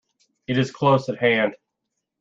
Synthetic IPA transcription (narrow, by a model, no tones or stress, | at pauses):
ɨɾɨz̥kʰl̥oʊsɨt̚hæ̃nd̥